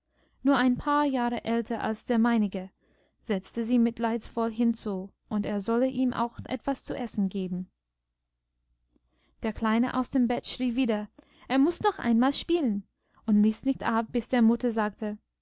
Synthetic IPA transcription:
nuːɐʔaɪnpʰaːɐjaːʁəʔɛltʰɐʔa̰lsd̥eːɐmaɪnɪɡə | z̥ɛt͡stəziːmɪtʰlaɪsfɔlɦɪnt͡suː | ʔʊnteːɐzɔləʔiːmʔa̰ʊxʔɛ̰tv̥ast͡suʔɛsn̩ɡeːbm̩ | d̥eːɐkl̥aɪnə̰ʔa̰ʊsd̥eːmbɛtʃʁ̥iːviːdɐ | ʔeːɐmʊsnɔχʔa̰ɪ̃nmaːlʃpiːlən | ʊntliːsnɪçtʔap̚b̥ɪsd̥eːɐmʊtɐzaːk̚tə

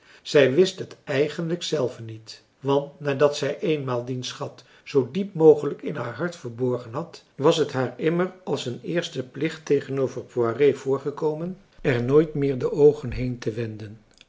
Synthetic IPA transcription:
z̥ɛjʋɪstɦətɛjχənləksɛlˠvənit | ʋɑntnaːdɑtsɛjʔejnmaːlˠdinsχɑt | sowdipmowχələkɪnɦaːɹɦɑɹtfəɹbɔɹχənɦɑt | ʋɑsɦətɦaːɹɪmərɑlˠsənɪːɹstəplɪχtːejχənowvəɹpuarejvʊːɹχəkowmən | ɛɹnoːjtmɪːɹdəʔowχənɦejntəʋɛndən

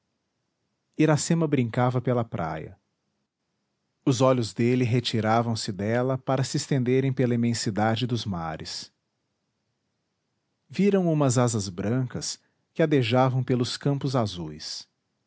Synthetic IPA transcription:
iɾasẽmɐbɾĩŋkavɐpelɐpɾʔa̰jɐ̰ | ʊzɔlʊzd̪elɪɦet͡ʃiɾavɐ̃w̃sɪd̪ɛlɐpaɾɐsɪest̪ẽnd̪eɾẽj̃pelɐimẽsid̪ad͡ʒɪd̪ʊzmaɾɪs | viɾɐ̃w̃ũmɐzazɐzbɾɐ̃kɐs | kɪad̪eʒavɐ̃w̃pelʊskɐ̃mpʊzazujs

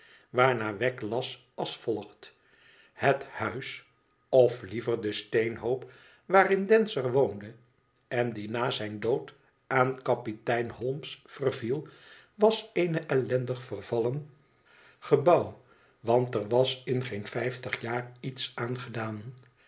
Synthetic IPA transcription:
ʋaːɹnaːʋɛklɑs | ɑsfɔlˠəχt | həthœɥs | ɔflivəɹdəstejnɦowp | ʋaːrɪndɛnsərʋowndə | ɛndinaːzɛjndowt | aːnkɑpitɛjnɦɔlˠmsfərvilˠ | ʋɑsejnəʔɛlɛndəχfərvɑlən | χəbɑw | ʋɑntəɹʋɑsɪnχejnfɛjftəχjaːritsaːnχədaːn

